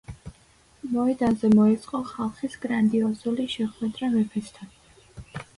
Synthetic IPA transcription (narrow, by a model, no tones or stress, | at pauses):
mɔɛd̪anzɛmɔɛt̪sʼqʼɔχalˠχisɡ̥ɾand̪iɔzuliʃɛχwɛd̪ɾavɛpʰɛst̪ʰan